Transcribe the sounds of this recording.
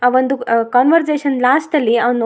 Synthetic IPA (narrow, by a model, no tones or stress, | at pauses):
ɐʋənd̪ʱukɔnʋəɾd͡ʑeɕənlasʈəlian